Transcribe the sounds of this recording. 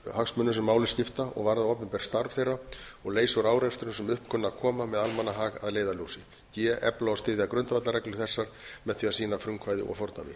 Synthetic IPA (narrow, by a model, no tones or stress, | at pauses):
haksmʏnʏsɛmːaːwlɪscɪft̪aɔ̰ɣvaɾðaoːpʏmpɛɾ̥st̪aɾv̥θejrːaɔɣleːjsɔɾaːwɾɛnst̪ʏɾʏsɛmʏhpkʰʏnːakʰɔːmamɛðalmanːaɦaːɣaðleːjðaljowsɪ | cɛːʔɛplaast̪ɪːðɪakɾœʏnt̪avat̪laɾɛklʏ̥θɛsːaɾ̥mɛðθiasiːnafɾʏŋkʰvaːjðɪ̰ʔɔ̰ɣfɔɾt̪a̰vɪ̰